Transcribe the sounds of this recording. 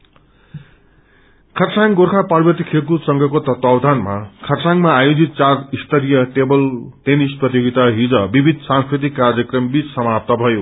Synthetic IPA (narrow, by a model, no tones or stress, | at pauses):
kʰʌrsaŋɡorkʰaparbʌt̪ikʰekusʌŋɡʱʌkot̪ʌt̪awd̪ʱanmakʰʌrsaŋmaːjod͡zit̪̚t͡sarist̪ʌɾijʌʈebʌlʈ̪enisprʌt̪joɡit̪aɦid͡zʌbibʱid̪ʱsãŋskrit̪̬ikːarjʌkrʌmbit͡ssʌmap̚t̪ʌbʱʌjo